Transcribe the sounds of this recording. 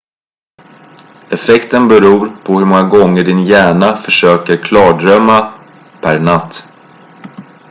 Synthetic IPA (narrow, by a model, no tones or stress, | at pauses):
ɛfɛkt̪ənbɛɾuːɾpʰɔhɵɾmɔŋaɡɔŋːəɖɪnjæːɳafœʂøːkəɾkʰlɑːɖɾœmːa | pʰæɾɳat̪ː